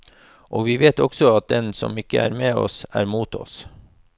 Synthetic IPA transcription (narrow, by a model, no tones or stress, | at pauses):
ʔoːʋiːʋeːt̪ɔɡsɔɑt̪̚d̪ɛnsɔ̰mɪkːəʔæːɾmeːɔ̰sæːɾmuːt̪ʰɔ̰s